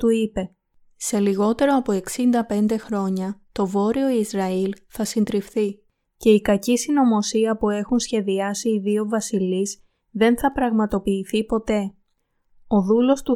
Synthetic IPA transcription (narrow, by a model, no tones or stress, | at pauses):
t̪uipe̞ | se̞liɣo̞t̪e̞ɾo̞ɐpoe̞ksind̪ɐpe̞nd̪e̞xɾo̞ɲɐt̪o̞vo̞ɾio̞izɾɐilθɐsind̪ɾifθi | ce̞ikɐcisino̞mo̞siɐpue̞xunsçe̞ðiɐsiːðio̞vɐsiliz | ðe̞nθɐpɾɐɣmɐt̪o̞piːθipo̞t̪e̞ | o̞ðulo̞st̪u